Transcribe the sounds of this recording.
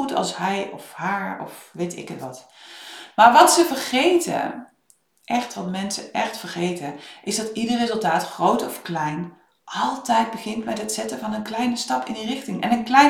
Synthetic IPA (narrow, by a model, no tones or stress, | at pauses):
utɑ̰lˠsɦɛjɔfhaːɹɔ̰fʋejtɪ̰kətʋɑt | maːɹʋɑtsəvəɹχejtə̰ | ʔɛχtʋɑtmɛnsə̰ɛχtfəɹχejtəʔɪzdɑtidərrezɵlˠtaːtχrowtɔfklɛjn | ʔɑlˠtɛjd̚bəχɪntbɛjətsɛtəvɑnənklɛjnəstɑpɪ̰ndirɪχtɪŋɛ̰nənklɛ